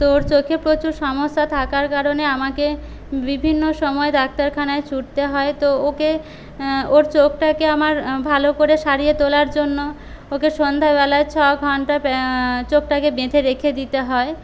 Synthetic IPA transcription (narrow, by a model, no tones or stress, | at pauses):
t̪ooɾt͡ɕokʰeɾpɾot͡ɕuɾʃɔmoʃːat̪ʰakaɾkaɾoneamake | bibʱinːoʃɔmɔed̪ak̚t̪aɾkʰanaet͡ɕʰuʈt̪eɦɔet̪ooke | oɾt͡ɕok̚ʈakeamaɾbʱalokoɾeʃaɾijet̪olaɾd͡ʑonːo | okeʃond̪ʱaβɛlaet͡ɕʰɔɡʱɔɳʈat͡ɕok̚ʈakebed̪ʱeɾekʰed̪it̪eɦɔe